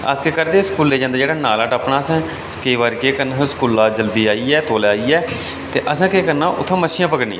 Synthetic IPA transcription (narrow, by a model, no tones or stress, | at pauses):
a̰ːskeːkəɾd̪eːskuːlːeːd͡ʒãːnd̪aːd͡ʒeːɽaːnaːlaːʈəpɳaːsãː | kəiʋaːɾikeːkənaːsskuːlaːd͡ʒəld̪iːaːiːɛːt̪oːlaːiːɛː | t̪ḛːʔəsãːkeːkənãːʔʊ̰t̪ʰːãːməʃɪjãːpəkəɽnḭ̃ːã̰